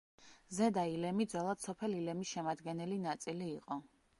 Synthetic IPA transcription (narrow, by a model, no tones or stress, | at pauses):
zɛd̪ailɛmid̪zwɛlˠad̪̥sɔpʰɛlilɛmisʃɛmad̪ɡɛnɛlinat̪sʼiliːqʼɔ